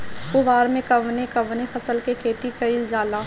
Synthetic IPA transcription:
ʊʋaːɾmẽkɐʋnekɐʋnepʰɐsəlkekʰeːt̪ikɐɪld͡ʒaːlaː

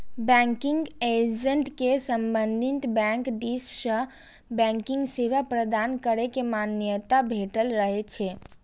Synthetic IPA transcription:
bɛ̃ŋkiŋɡed͡ʒəɳʈkesəmbənd̪ʱit̪bɛ̃ŋkd̪issə | bɛ̃ŋkiŋɡsiʋapɾəd̪ankəɾekemanjət̪abʱeʈəlɾəɦɛt͡ʃʰɛ

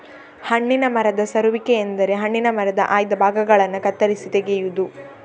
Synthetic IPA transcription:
hɐɳːinɐmɐɾɐd̪ɐsɐɾuʋikeːnd̪ɐɾe̞ɦɐɳːinɐmɐɾɐd̪ɐ̰ʔaːjd̪ɐbʱaːɡɐɡɐɭɐnːukɐt̪ːɐɾisit̪eɡejud̪u

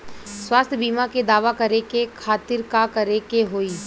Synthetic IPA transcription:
swaːst̪ʰjəbiːmaked̪aːʋakɐɾekekʰaːt̪ɪɾkakɐɾekeɦoːiː

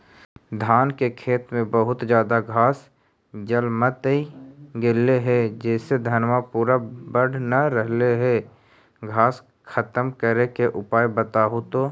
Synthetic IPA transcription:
d̪ʱaːnkekʰeːt̪mẽbəɦʊt̪d͡ʒjaːd̪aɡʱaːs | d͡ʒəlmət̪iɡeleɦɛd͡ʒɛːsed̪ʱənʋapuːɾabəɽ̤nɐɾəɦleɦɛ | ɡʱaːs | kʰət̪əmkəɾekeʔʊpaːjbət̪aːɦot̪oː

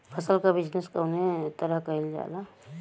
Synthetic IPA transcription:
pʰəsəlkabɪd͡ʒneskəʊnet̪əɾəɦkəild͡ʒa̰ːla

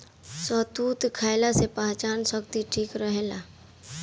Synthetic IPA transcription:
sɔɦt̪uːt̪kʰaːɪlasepãːt͡ʃaːnsəkt̪iʈʰiːkɾəɦelaː

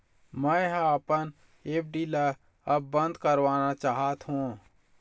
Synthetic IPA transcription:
mɛ̃ɦapən | eːp̚ʰɖiːlə | ɐbːə̃nd̪kəɾʋaːnat͡ʃaːɦat̪ɦũː

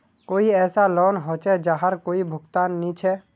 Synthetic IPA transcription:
koːiɛːsalɔːnɦot͡ʃʰɛd͡ʒaɦəɾkoːibʱʊɡt̪aːnːĩt͡ʃʰɛ

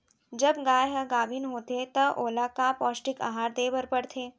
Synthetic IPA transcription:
d͡ʒəbɡaːjɦɐɡaːbʱinɦoːt̪et̪ɐʔoːlakapɔːsʈɪka̰ɦaːɾd̪eːbəɾpəɽt̪ʰeː

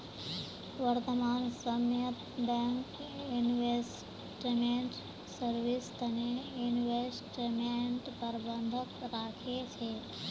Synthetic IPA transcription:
ʋəɾt̪əmaːnsəmjət̪ | bɛ̃ŋkjunʋes | ʈimeɳʈ | səɾʋɪst̪ɐnejunʋesʈimeɳʈpəɾbə̃nd̪ʱəkɾaːkʰet͡ʃʰeː

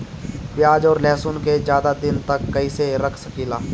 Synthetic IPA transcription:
pɪjaːd͡ʒɔːɾlɛːsʊnked͡ʒjaːd̪ad̪ɪnt̪ɐkːɐiseɾɐkʰsɐkiːlaː

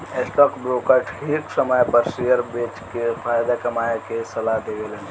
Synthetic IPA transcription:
esʈɔːkbɾokəɾʈʰhiksəməjpəɾsijəɾbet͡ʃkepʰajd̪akəmaekesəlaɦd̪eɡelẽ

